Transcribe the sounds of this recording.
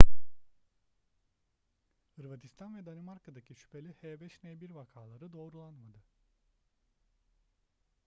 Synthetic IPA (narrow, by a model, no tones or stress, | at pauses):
ɯɾvat̪ʰist̪ʰanvɛd̪animaɾkad̪acʰiʃy̥pʰelʲihɛːbɛʃnebiɾvakʰaːlˠaɾɯd̪o̞ːɾulˠanmad̪ɯ